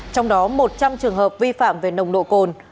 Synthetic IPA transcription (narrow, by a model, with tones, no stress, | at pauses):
t͡ɕɔ˧wŋ͡mɗɔ˨˦mo˨˩t̚t͡ɕa˧mt͡ɕɨ˨˩əŋɦəː˨˩p̚vi˧fa̰ː˧˨mve˨˩nə˧˩wŋ͡mɗo̰˧˨ko˧˨˩n